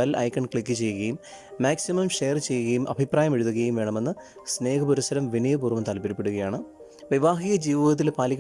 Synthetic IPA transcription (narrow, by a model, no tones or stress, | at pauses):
ɐlɐ̰jkːɐɳkɭikːɨt͡ɕe̞jːuɣɐjumː | aːksimɐmʂe̞jɐrt͡ɕe̞jːuɣɐjumʔɐ̰bʱipraːjɐmeɻuðuɣɐjumʋe̞ːɳɐme̞nːɨ | sne̞ːkʰɐpuɾusɐɾɐmʋinijɐpuːrʋɐmt̪ɐlɐpɐɾipːeɽuɣɐjaːɳɨ | ʋiʋaːɦiːɣɐd͡ʑiːʋɐðɐt̪ːilpaːliɣ